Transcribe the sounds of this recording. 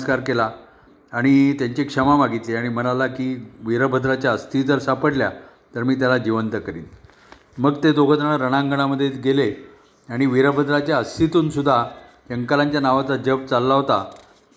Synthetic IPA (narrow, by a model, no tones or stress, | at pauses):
skaɾkelaː | ɽ̃it̪jaɲt͡ɕekʂəmamaɡʱit̪leaɽ̃im̤ənalakiːʋiɾəbʱəd̪ɾat͡ɕjaəst̪ʰit̪əɾsapəɽlja | t̪əɾmiːt̪̬jalad͡ʑiʋənt̪əkəɾiːn | məɡt̪ed̪oɡʱət̪əɳəɾəɽ̃ãŋɡəɽ̃aməd̪ʱːjetɡele | aɽ̃iʋiɾəbʱəd̪ɾat͡ɕjaəst̪it̪uːnsud̪ʱːatəŋkalaɲt͡ɕjanaʋat͡sad͡ʑəb̚t͡salːaɦot̪a